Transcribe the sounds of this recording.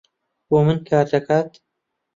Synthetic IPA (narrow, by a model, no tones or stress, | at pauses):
boːmɨnkʰaːɾd̪ɐkʰaːt̪